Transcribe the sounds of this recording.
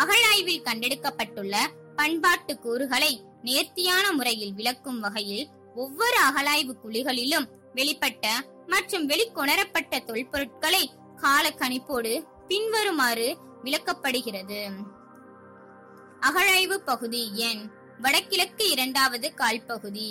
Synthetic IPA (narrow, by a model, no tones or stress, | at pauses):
ɐɣɐɻaːjʋɪlkɐɳɖɛɽɯkːɐpːɐʈːɯɭːɐ | pɐɳbaːʈːɯkːuːɾɯɣɐɭɐɪ | neːɾt̪ɪjaːnɐmʊɾɐjɪlʋɪɭɐkːɯmʋɐɣɐjɪl | ɔʋːɔɾɯɐɣɐɭaːjʋɯkʊɭɪɣɐɭɪlɯm | ʋɛɭɪpːɐʈːɐ | mɐʈrɯmʋɛɭɪkːɔɳɐɾɐpːɐʈːɐt̪ɔɭpɔɾɯʈ̚kɐɭɐɪ | kaːlɐkːɐnɪpːoːɽɯ | pɪnʋɐɾɯmaːrɯ | ʋɪɭɐkːɐpːɐɽɯɣɪrɐðɯ | ɐɣɐɻaːjʋɯpɐɣɯðiɛn | ʋɐɽɐkːɪlɐkːɯɪɾɐɳɖaːʋɐðɯkaːɭpɐɣɯði